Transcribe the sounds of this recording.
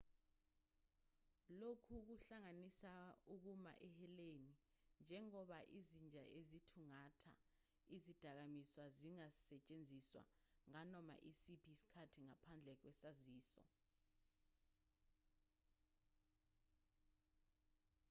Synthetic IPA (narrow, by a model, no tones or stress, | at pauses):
lokʰuk̬uɬaŋanisauk̬uma̰ʔɛhɛleni | nd͡ʒʱɛŋɔɓaʔizind͡ʒʱa̰ʔezitʰuŋatʰa̰ | izid̥ʱak̬amiswaziŋasɛt͡ʃʼend͡zʱiswa̰ŋanɔma̰ʔisipʰisi̥kʰatʰiŋapʰand͡ɮʱɛk̬wɛsaziːsɔ̰